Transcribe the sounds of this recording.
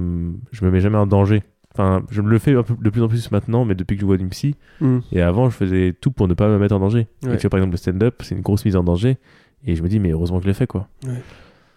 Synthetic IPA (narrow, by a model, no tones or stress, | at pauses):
ʒəməmɛʒamɛɑ̃d̪ɑ̃ʒe | ɑ̃fɛ̃ʒələfɛɛ̃pød̪əplyzɑ̃p̬lysmɛ̃t̪nɑ̃mɛd̪əpɥikəʒəvwad̪ynpsi | eavɑ̃ʒəfəzɛt̪upuʁnəpaməmɛt̪χɑ̃d̪ɑ̃ʒeeyɛpaʁɛɡzɑ̃pləst̪ɛ̃d̪œpsɛynɡʁosmizɑ̃d̪ɑ̃ʒe | eʒəməd̪imɛøʁøzmɑ̃kʒəlefɛkwawɛ